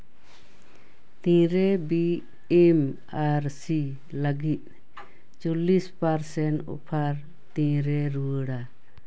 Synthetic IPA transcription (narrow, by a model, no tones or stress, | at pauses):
t̪ĩɾɛbi | em | aɾsi | ləɡit̪̚ | t͡ʃɔlispaɾsɛnɔ̰pʰaɾ | t̪ĩɾɛɾuəɽa